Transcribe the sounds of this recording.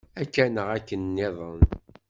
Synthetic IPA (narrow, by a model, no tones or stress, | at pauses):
ækːænəʁækːənːɪðˤən